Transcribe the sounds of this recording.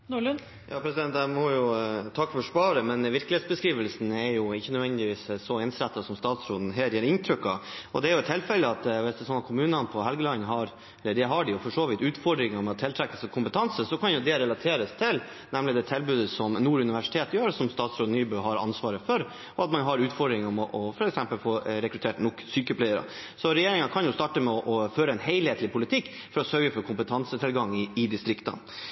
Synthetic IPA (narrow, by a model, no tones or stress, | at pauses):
nuɭn | jɑ̰ːpʰɾɛsɪd̪ɛnt̪æmɔjʊt̪ʰɑkːfɔʂpɑːɾəmɛnʋɪɾklɪeːt̪sbəskɾiːʋəlsn̩ɛɾjʊɪçːənœd̪ʋɛnd̪ɪʋiːssɔɛnsɾɛt̪ːɑsɔmst̪ɑːt̪sɾoːd̪n̩ɦeːɾjæːɾɪnt̪ʰɾʏkːɑɔ̰d̪ɛæɾjʊɛt̪ʰːɪlfɛləɑt̪ʋɪsd̪ɛsɔnəkʰʊmʉːnɑnpʰɔɦɛlɡəlɑnːɦɑɾ | ɛlːəɖɛɦɑɖɪjʊfɔʂoːʋɪːt̪ʉːt̪fɔɖɾɪŋɑmɛt̪ʰɪlt̪ʰɾɛkːəlsɔkʰʊmpət̪ʰɑnsəsɔkʰɑnjʊd̪ɛɾɛlɑt̪ʰeːɾəst̪ʰɪl | nɛmlɪd̪ɛt̪ʰɛlbʉːd̪əsɔmnuːɾʉnɪʋæʂɪ̥t̪ʰeːt̪jøːɾsɔmst̪ɑːt̪sɾoːd̪nyːbʉːɦɑɾɑ̰nsʋɑːɾəfɔɾ | ɔɑt̪mɑnɦɑɾʉːt̪fɔɖɾɪŋəɔmɔʔɔfɔɾɛksɛmpəlfoːɾɛkɾʉt̪ʰeːʈnʊkːsyːkəpʰlæɪəɾɑ̰ | sɔɾɛjeːɾɪŋɑnkʰɑnjʊst̪ɑʈəmɛɔʔɔføːɾəɛnheɪlheːt̪lɪpʰʊlɪt̪ʰɪkː | fɔɾɔsœɾɡəfɔɾkʰʊmpət̪ʰɑnsət̪ʰɪlɡɑŋːɪɪd̪ɪst̪ɾɪkt̪ɑ̰n